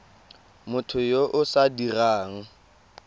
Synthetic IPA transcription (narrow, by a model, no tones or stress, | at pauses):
mʊtʰʊjoʔʊsadiraːŋ̩